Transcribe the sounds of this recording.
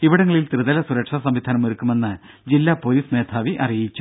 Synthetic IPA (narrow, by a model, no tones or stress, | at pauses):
iʋiɽɐŋːɐɭilt̪rɨðɐlɐsuɾɐkʂɐsɐmʋid̪ʱaːnɐmoɾukːume̞nːɨ | d͡ʑilːapoːliːsne̞ːt̪ʰaːʋiʔɐrijit͡ɕːu